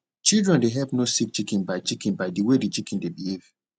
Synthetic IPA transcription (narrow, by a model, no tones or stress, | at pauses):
t͡ʃildɹɛ̃ndeɦɛpnosik̚t͡ʃikĩnbaɪt͡ʃikĩnbaɪdiwedit͡ʃikĩndebihev